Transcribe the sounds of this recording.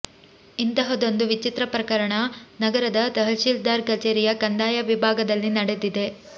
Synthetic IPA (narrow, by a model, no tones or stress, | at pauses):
int̪ɐɦɐd̪o̞nd̪uʋit͡ʃit̪ɾɐpɾɐkɐɾɐɳɐnɐɡɐɾɐd̪ɐt̪ɐɦɐlʃiːld̪aːɾkɐt͡ʃeːɾijɐkɐnd̪aːjɐʋibʱaːɡɐd̪ɐlːinɐɽe̞d̪id̪e̞